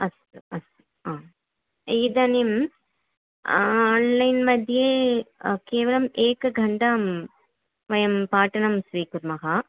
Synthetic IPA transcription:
ɐs | uɐsu̥ | aː | id̪ɐnim | nlɐjnmɐd̪ʱijeːkeːʋɐlɐmeːkɨɡʱɐɳɖaːm | ʋɐjɐmpaːʈɐnɐmsʋiːkuɾmɐɦɐ

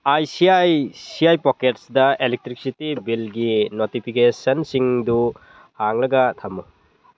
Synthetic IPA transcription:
ajsiajsiajpoketsdɐelek̚tɾik̚sitibilɡinotipʰikesɐnsiŋdu | haŋlɐɡɐtʰamːu

